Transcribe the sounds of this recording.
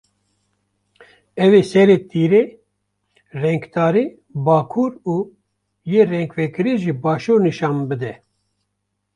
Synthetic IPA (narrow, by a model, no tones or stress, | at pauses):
ɛveːsɛɾeːt̪ʰiːɾeː | rɛŋkt̪ɑːɾiː | bɑːkʰuːɾuː | jeːrɛŋkvɛkɨɾiʒibɑːʃuːɾnɨʃɑːmbɨd̪ɛ